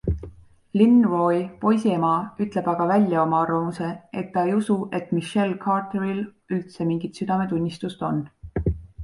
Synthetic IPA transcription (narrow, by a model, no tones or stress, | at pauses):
linro̞jpo̞jsiemɑyt̪ˑle̞b̥ɑɡ̥ɑvælʲjɑo̞mɑɑrvɑmuse̞ʔe̞t̪ːɑejusuʔe̞t̪ːˑmiʃːe̞lkʰɑrt̪eɾil | ylt̪se̞miŋɡ̥it̪syd̪̥ɑme̞t̪unʲːist̪ust̪o̞nː